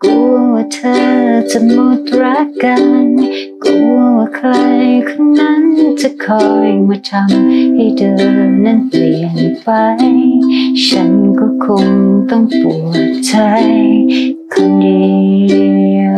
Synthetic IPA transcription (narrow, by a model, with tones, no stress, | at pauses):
ku˧˩ət̪ʰə˧t͡ɕa˧˩mo˧t̪̚ɾa˦˥kkːa˧nku˧˩˧kʰla˧jkʰɯ˧ŋna˧˥nt͡ɕa˧˨kʰɔː˧jma˧t̪ʰa˧ŋha˧˩jdəː˧nːa˧˥˩ni˨˩npa˧j | ʃa˧˥nkɔː˧˩kʰo˧ŋt̪ɔ˥˧˩ŋpu˨˩ttʰa˧j | kʰa˧˩ŋdi˧